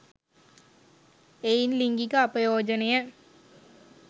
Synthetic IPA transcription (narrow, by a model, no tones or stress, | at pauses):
ejnliŋɡikːɐɐpɐjoːd͡ʒɐnɐjɐ